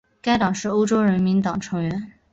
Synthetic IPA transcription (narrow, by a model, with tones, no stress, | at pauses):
ka˥ɪt̪ɑ˨˩ŋʂɻ̩˥˩o˥ʊʈ͡ʂo˥ʊɻə˧˥nmi˧˥nt̪ɑ˨˩ŋʈ͡ʂʰɤ˧˥ŋɥɛ˧˥n